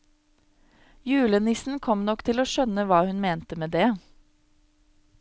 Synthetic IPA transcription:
jʉːlənɪsn̩kʰɔmnɔkt̪ʰɪloːʃœnəʋɑːhʉnmeːnt̪əmeːd̪eː

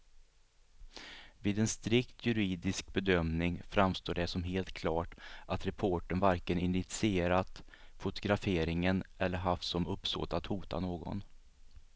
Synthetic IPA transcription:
viːd̪ɛnst̪ɾɪkt̪ʰjɵɾiːd̪ɪsk̚bɛd̪œmnɪŋfɾamst̪oːɖɛsɔmɦeːlt̪̚kʰlɑːʈʔat̪ɾɛpʰoːʈəɳvaɾkənɪnːɪt̪sɪeːɾat̪ | fʊt̪ʊɡɾafeːɾɪŋənɛlːəɾɦaft̪sɔmɵpso̰ːt̪at̪huːt̪a̰noːɡɔ̰n

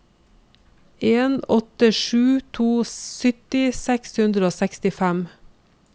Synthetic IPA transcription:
ʔeːnɔt̪əʃʉːt̪ʰuːsʏt̪ɪsɛkshʉnd̪ɾəoːsɛkst̪ɪfæm

